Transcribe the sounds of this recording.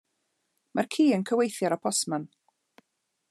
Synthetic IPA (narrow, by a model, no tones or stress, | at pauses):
markʰiːənkʰəwejθjaɾapʰɔsman